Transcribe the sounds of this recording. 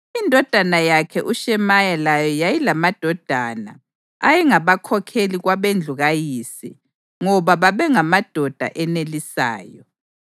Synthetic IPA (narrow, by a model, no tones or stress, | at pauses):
indʱɔd̥ʱanajakʰɛʔuʃɛmajalajɔjajilamad̥ʱɔd̥ʱana̰ | ajɛŋaβakʰɔkʰeliɣwaβend͡ɮʱuɣajiːsḭ | ŋɔβaβaβɛŋamad̥ʱɔd̥ʱa̰ʔɛnelisa̰ːjɔ